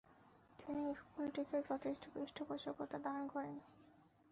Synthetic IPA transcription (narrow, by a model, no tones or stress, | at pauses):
t̪iniskulʈiked͡ʑɔt̪ʰeʃʈʰobɾiʃʈʰobɔʃokot̪ːad̪ankɔɾen